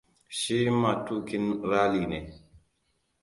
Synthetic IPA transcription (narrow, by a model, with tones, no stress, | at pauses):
ʃi˦ma˨tu˦ki˦nɾa˦li˨nɛ˨